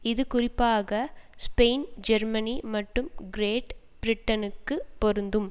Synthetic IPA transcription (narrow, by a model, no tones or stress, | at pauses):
ɪðɯkʊrɪpːaːɣɐspeːnd͡ʒɐɾmɐnimɐʈːɯmɡɪɾeːʈ | b̥ɪɾɪʈːɐnɯkːɯpːɔɾɯnd̪ɯm